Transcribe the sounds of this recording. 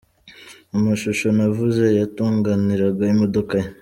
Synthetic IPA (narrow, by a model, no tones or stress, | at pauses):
umaʃuʃo̞navuze̞jatuːŋɡaniɾaɡaimodokaje